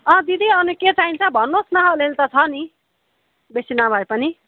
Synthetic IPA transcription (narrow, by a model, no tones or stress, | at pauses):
ʌ̃d̪id̪ʱiʌnuket͡saɦint͡sʰʌbʱʌnːosnʌɦlelt̪ʌt͡sʰʌni | besinabʱʌepʌni